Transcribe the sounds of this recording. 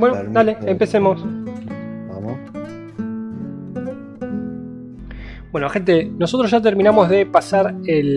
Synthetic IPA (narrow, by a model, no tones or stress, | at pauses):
bwenod̪aleempe̞semos | bwe̞noxent̪e̞no̞sot̪ɾoʒat̪eɾminamo̞zðe̞pasaɾel